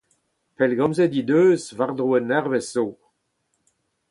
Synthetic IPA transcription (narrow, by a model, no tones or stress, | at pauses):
pɛlɡɑ̃mzed̪id̪øːzvaʁd̪ʁuɛnːɛʁvɛsːo